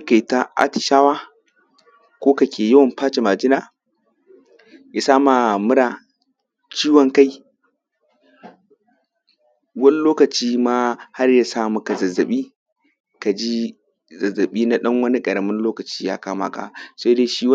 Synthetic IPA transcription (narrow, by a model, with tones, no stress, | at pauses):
ka˨jta˦ʔa̰˦tɪ̥˨ʃaː˦waː˦ | kʷoː˦ka˨kʲeː˨jɐ˦wɐ˨mpaː˦t͡ʃe˨maː˨d͡ʒɪ˦naː˨ | ja˨saː˦ma˨mʊ˦ɽaː˨ | t͡ʃiː˦wɐ˨ŋka˦j | wɐ˦ni˦loː˦kɐ˨t͡ʃiː˦maː˦ha˦rja˨saː˦˨mu˨ka˨zɐ˨zːɐ˨ɓiː˦ | ka˨d͡ʒi˦ | zɐ˨zːɐ˨ɓiː˦na˦ɗɐ˦ŋwɐ˦ni˦kʼɐ˨ɾɐ˨mɪ˦nloː˦kɐ˨t͡ʃiː˦ja̰ː˦kaː˦ma̰ː˨ka̰˨sa˦de˦ʃiː˦w